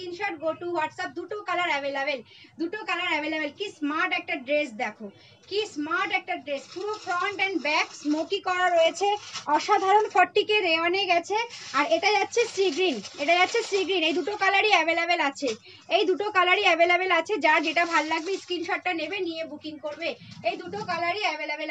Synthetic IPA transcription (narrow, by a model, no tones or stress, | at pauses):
inʃɔʈ̚ɡoʈuwaʈsap̚d̪uʈokalaɾɛbelabel | d̪uʈokalaɾɛbelebelkismaɾʈɛk̚ʈaɖɾesd̪ɛkʰo | kismaɾʈɛk̚ʈaɖɾespuɾofɾɔɳʈɛnbɛksmokikɔɾaɾojet͡ɕʰeɔʃad̪ʱaɾonfɔʈːikeɾeɔneɡɛt͡ɕʰeaɾeʈad͡ʑatːɕʰesɾiɡɾineʈad͡ʑatːɕʰesʈɾiɡɾinejd̪uʈokalaɾiɛbelebelat͡ɕʰe | ejd̪uʈokalaɾiɛbelebelat͡ɕʰed͡ʑad͡ʑeʈabʱalːaɡbiskɾinʃɔʈ̚ːanebeniebukiŋkoɾbeejd̪uʈokalaɾiɛbelebel